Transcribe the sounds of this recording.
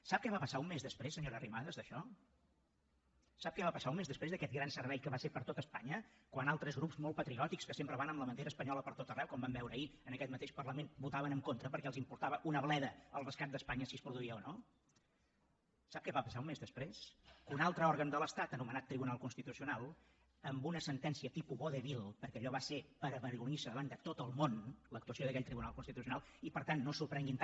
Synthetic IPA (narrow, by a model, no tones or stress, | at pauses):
sap̚kɛβapəsaummezðəspɾesːəɲoɾərimaðəzðəʃɔ | ap̚kɛβapəsaumezðəspɾezðəkɛt̪̚ɡɾansəɾβɛʎkəβasepəɾt̪ot̪əspa̰ɲəkwanalˠt̪ɾəzɣɾupzmolˠtpət̪ɾiɔt̪ikskəsempɾəβanəmləmənt̪eɾəspəɲɔləpəɾt̪ot̪ərɛwkɔmbambɛwɾəiənəkɛt̪mət̪eʃpərləmenbut̪aβənəŋkont̪ɾəpəɾkɛəlˠzimpuɾt̪aβəʔunəβlɛðəəlˠrəskat̪̚d̪əspaɲəsiəspɾuðuiəono | sap̚kɛβapəsaumezðəspɾeskunalˠt̪ɾəɔɾɣənd̪ələst̪at̪ənumənat̪ːɾiβunalˠkunst̪it̪usiunalˠ | əmbunəsənt̪ɛnsiət̪ipuβoðeβilˠpəɾkɛəʎɔβasepəɾəβəɾɣunisəðəβand̪ət̪ot̪əlˠmonləkt̪uəsioðəkɛʎʲt̪ɾiβunalˠkunst̪it̪usiunalˠ | ipəɾt̪anːosuɾpɾɛŋɡint̪